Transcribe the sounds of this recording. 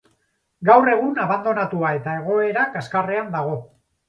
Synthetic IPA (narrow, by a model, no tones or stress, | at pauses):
ɡawre̞ɣ̞unaβ̞and̪o̞nat̪uae̞t̪ae̞ɣ̞o̞e̞ɾakaskare̞and̪aɣ̞o̞